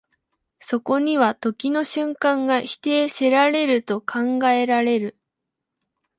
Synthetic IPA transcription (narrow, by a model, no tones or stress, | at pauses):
so̞ko̞ɲ̟iβat̪o̞kʲino̞ɕɨ̃ŋkãŋɡaçi̥t̪e̞ːseɾaɾe̞ɾɯ̟t̪o̞kʰãŋɡae̞ɾaɾe̞ɾɯ̟